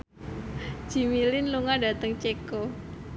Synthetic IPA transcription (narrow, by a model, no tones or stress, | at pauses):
d͡ʒ̥i̤milɪnluŋadat̪əŋt͡ʃeko